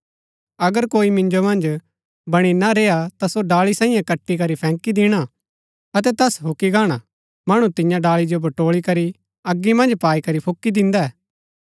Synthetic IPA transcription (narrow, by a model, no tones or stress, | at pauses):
ɐɡəɾkoːimɪ̃nd͡ʒomɐ̃nd͡ʒ | bɐɽ̃inaɾeːat̪asoɖaːlisãːĩːjãkɐʈːikɐɾipʰɛ̃ːkid̪ɪɽ̃a | ɐt̪̬ɛt̪ɐsɦʊkːiɡaːɽ̃a | mɐɽ̃ũt̪ɪ̃jãɖaːlid͡ʒobʱɐʈoːɭikɐɾi | ɐɡːimɐ̃nd͡ʒpaːikɐɾipʰʊkːid̪ɪ̃nd̪aɛː